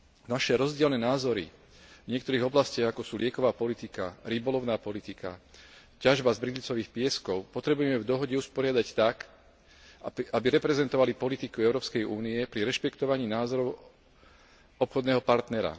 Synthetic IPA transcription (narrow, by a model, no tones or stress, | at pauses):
naʃɛɾɔzɟɪɛlnɛːnaːzɔɾḭ | vɲɪɛkt̪ɔɾiːɣɔblascɪaɣakɔsuːlɪɛkɔʋaːpɔlit̪ikaɾibɔlɔʊnaːpɔlit̪ika̰ | caʒbazbɾid̪lit͡sɔʋiːxpɪɛskɔʊpɔt̪ɾɛbujɛmɛvd̪ɔɦɔɟɛuspɔɾɪad̪act̪ak | abiɾɛpɾɛzɛnt̪ɔʋalipɔlit̪ikuɛʊɾɔːpskɛjuːniɛpɾiɾɛʃpɛkt̪ɔʋaɲiːnaːzɔɾɔʊ | ɔpxɔd̪nɛːɦɔpaɾt̪nɛɾa̰